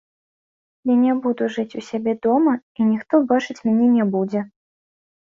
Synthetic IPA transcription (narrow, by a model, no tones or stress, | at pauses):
jʲanʲɛbud̪uʐɨt͡sʲusʲabʲɛd̪ɔmɐinʲixt̪ɔbat͡ʂɨt͡sʲmʲanʲɛnʲɛbud͡zʲɛ